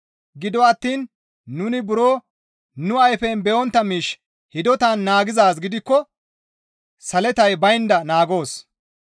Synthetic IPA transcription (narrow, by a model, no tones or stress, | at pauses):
ɡɪd̪ɔɐt̪ːiːnː | ʊnɪbʊɾo̞ː | nʊɐjfɛnbɛʔɔnt̪ːɐmiːʃ | hɪd̪ɔt̪anːaːɡɪzaːsɡɪd̪ɪkːɔ | sɐlɛt̪ɐjbɐjnd̪ɐnaːɡo̞ːs